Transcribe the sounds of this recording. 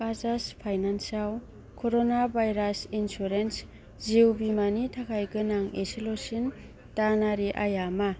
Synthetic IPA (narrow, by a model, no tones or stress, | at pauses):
kazaspʰajnansaw | kʰoɾonabʱajɾasinsuɾens | ziwbimanitʰakʰajɡɯnaŋesilosin | tanaɾiʔajama